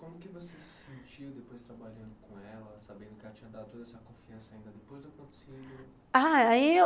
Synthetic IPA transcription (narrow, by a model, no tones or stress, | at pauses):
kõmʊkɪvosessẽnt͡ʃid̪epojst̪ɾabaʎɐ̃nd̪ʊkõɛlɐsabẽnd̪ʊkɪɛlɐt͡ʃĩɲɐd̪ad̪ʊt̪od̪ɐɛsɐkõfiɐ̃sɐaĩnd̪ɐd̪epojzd̪ʊakõt̪e̥sed̪ʊ | aai